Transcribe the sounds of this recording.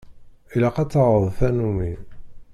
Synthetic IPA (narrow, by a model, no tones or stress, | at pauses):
ilæqɑt͡sːɑʁəðˤfænumi